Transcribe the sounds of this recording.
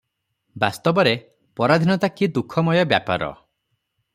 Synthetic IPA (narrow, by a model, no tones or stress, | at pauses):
bast̪ɔbɔɾe | pɔɾad̪ʱinɔt̪akid̪ukʰːɔmɔjɔbja̰pa̰ɾɔ̰